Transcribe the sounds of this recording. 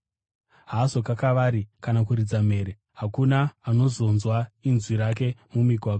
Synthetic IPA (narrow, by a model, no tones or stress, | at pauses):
ɦaso̞kakaʋaɾikanak̬uɾid͡zam̤e̞ːɾe̞ | ɦakunaːno̞zo̞nzwainzwiɾak̬e̞mumiɡʱwaɡ